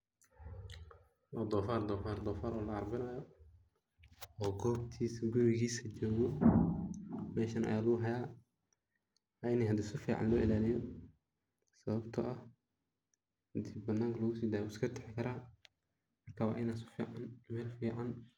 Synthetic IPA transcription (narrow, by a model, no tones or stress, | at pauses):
wɐd̪ɔːfaːrd̪ɔːfaːrd̪ɔːfaːɾɔːlɐɐrbɪnɐjɔ | ɔːɡɔːbt̪ʰiːsɡʊɾɪɣiːsɐt͡ʃɔːɣɔ | mɛːʃɐnʔɐ̰jaːluɦɐjaː | aɪnɛːhɐd̪ɪsʊfḭːʕɑ̰nlɔːʔɪlaːlɪjɔ | sɐβɐbt̪ʰɐʔɐh | hɐd̪ɪbbɐnaːŋkʰlɔɣʊsiːd̪aːjʊskʰɐt̪ʰɛħɪkʰɐɾaː | mɐrkʰaːwa̰ːʔɪnaːsʊ̥fiʕɑnmɛːlfiːʕɑn